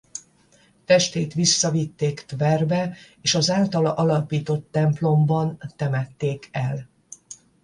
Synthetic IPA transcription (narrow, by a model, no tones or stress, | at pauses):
t̪ɛʃt̪eːt̪ʋisːɒvit̪ːeːkt̪vɛrbɛeːʃɒzaːlt̪ɒlʔɒlɒpiːt̪o̞t̪ːɛmplo̞mbɒnt̪ɛmɛt̪ːeːkʰɛl